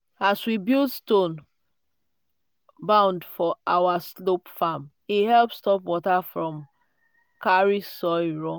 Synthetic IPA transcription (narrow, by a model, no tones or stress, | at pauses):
aswibildstõn | bãʊ̃ndfɔʔawaslopfam | ihɛlpstɔpwɔtafɹɔ̃m | kaɹisɔɪɹɔ̃